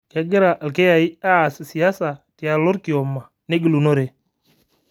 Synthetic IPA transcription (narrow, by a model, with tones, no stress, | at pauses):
kɛ˨ɡɪ˦ɾa˨ʔlke˦ja˨i˦aː˦˨sɪ˨si˨a˦sa˨ti˨a˨lo˦ɾki˨ɔ˨ma˨ | ne˦ɡi˨lu˨no˦ɾe˨